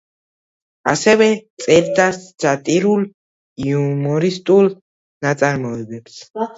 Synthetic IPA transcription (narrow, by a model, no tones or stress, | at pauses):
a̰sɛvɛt̪sʼɛɾd̪asd̪d͡ʒat̪ʼiɾul | iumɔɾist̪ʼul | nat̪sʼaɾmɔɛbɛps